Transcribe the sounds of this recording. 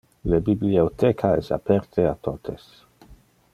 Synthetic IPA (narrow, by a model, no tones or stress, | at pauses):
lebibliot̪ɛkʰaɛsa̰pʰɛɾt̪ʰeat̪ʰot̪ʰes